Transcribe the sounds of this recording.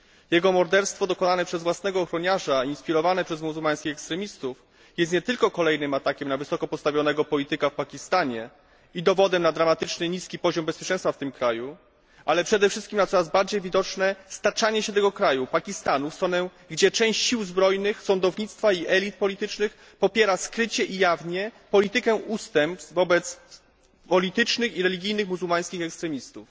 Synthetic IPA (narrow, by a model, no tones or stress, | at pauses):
jɛɡɔmɔɾd̪ɛɾst̪fɔd̪ɔkɔnanɛpʂɛzvwasnɛɡɔːxɾɔɲaʐainspʲiɾɔvanɛpʂɛzmuzulmaj̃skʲixɛkst̪ɾɛmʲist̪uf | jɛst̪ɲɛt̪ɘlkɔkɔlɛjnɘmat̪akʲɛmnavɘsɔkɔpɔt̪st̪avʲjɔnɛɡɔpɔlʲit̪ɘkafpakʲist̪aɲɛ | id̪ɔvɔd̪ɛmnad̪ɾamat̪ɘt͡ʂnɘɲiskʲipɔʑɔmbɛspʲjɛt͡ʂɛ̃st̪faft̪ɘmkɾaju | ʔalɛpʂɛd̪ɛfʂɘst̪kʲimnat̪sɔɾazbaɾd͡ʑejvʲid̪ɔt͡ʂnɛst̪at͡ʂaɲɛɕɛt̪ɛɡɔkɾajupakʲist̪anufst̪ɾɔnɛ | ɡd͡ʑɛt͡ʂɛ̃w̃ɕt͡ɕɕiwzbɾɔjnɘxsɔnd̪ɔvɲit̪st̪faiʔɛlʲit̪̚pɔlʲit̪ɘt͡ʂnɘx | pɔpʲjɛɾaskɾɘt͡ɕɛʔijavɲɛpɔlʲit̪ɘkɛʔust̪ɛmp̪vɔbɛt̪s | pɔlʲit̪ɘt͡ʂnɘxiɾɛlʲiɡʲijnɘxmuzuwmaj̃skʲixɛkst̪ɾɛmʲist̪uf